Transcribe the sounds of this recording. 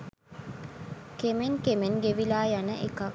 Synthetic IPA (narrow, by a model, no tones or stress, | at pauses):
kemeŋkemeŋɡeʋilaːjanəʔekɐ